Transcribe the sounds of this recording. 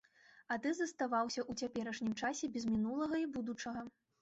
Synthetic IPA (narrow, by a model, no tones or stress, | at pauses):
ɐt̪ɨzɐst̪avawsʲɐʔut͡sʲapʲɛɾɐʂnʲimt͡ʂasʲɛbʲɛzmʲinulˠɐɣɐibud̪ut͡ʂɐɣɐ